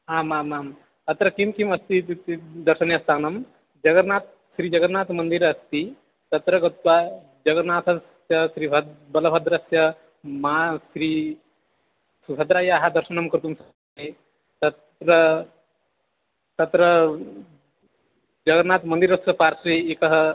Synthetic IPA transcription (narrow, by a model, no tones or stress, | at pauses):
ɦaːmaːmaːm | ɐt̪ɾɐkimkimɐst̪it̪it̪id̪ɐɾʃɐnjɐst̪aːnɐm | d͡ʒɐɡɐɾnaːt̪̚ | ʃɾiːd͡ʒɐɡɐɾnaːt̪mɐnd̪iɾɐst̪i | t̪ɐt̪ɾɐɡɐt̪ʋa | d͡ʒɐɡɐɾnaːt̪ʰɐs | jɐsɾiːbʱɐbɐlɐbʱɐd̪ɾɐsjɐ | maːsɾiː | sibʱɐd̪ɾaːjaːɦɐd̪ɐɾʃɐnɐmkɐɾt̪umsɐ | e | t̪ɐt̪ | ɾɐ | t̪ɐt̪ɾɐ | d͡ʒɐɡɐɾnaːt̪mɐnd̪iɾɐst̪ɐpaːɾsɾiekɐɦɐ